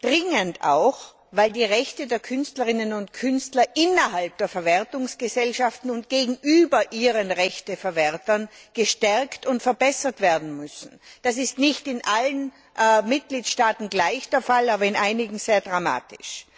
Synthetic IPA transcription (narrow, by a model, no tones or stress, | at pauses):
d̥ʁɪŋənta̰ʊx | vaɪldiːʁɛçtədeːɐkʰʏnstləʁɪnənʊntkʰʏnstlɐʔɪnɐɦalp̚d̥eːɐfɛɐvɛɐtʊŋsɡ̥əzɛlʃaftn̩ʊntɡ̥eːɡŋ̩ʔyːbɐʔiːʁənʁɛçtəfɛɐvɛɐtɐnɡ̥əʃtɛʁktʊntfɛɐbɛsɐtv̥eːɐdn̩mʏsn̩d̥asɪstnɪçtɪnʔalən | mɪt̚ɡ̥liːtʃtaːtn̩ɡlaɪçd̥eːɐfalaːbɐɪnʔaɪnɪɡŋ̩z̥eːɐdʁama̰ːtɪ̥ʃ